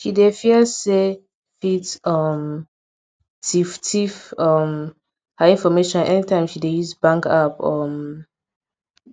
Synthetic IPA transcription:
ʃidefiəse | fitʌm | tiftʰifʌm | həĩnfɔmeʃɔ̃nʔɛ̰nitʰãɪ̃mʃidejuzbãŋkapʌm

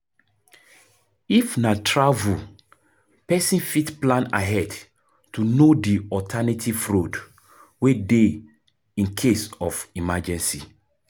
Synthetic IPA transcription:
ifnatʰɹavu | pɛsĩnfitplãna̰ɦɛd | tunodiɔtʰɛnitʰifɹod | wede | ĩnkʰesɔfimad͡ʒɛ̃nsḭ

